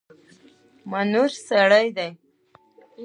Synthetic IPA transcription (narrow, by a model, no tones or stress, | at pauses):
manuɾsaɽajd̪aj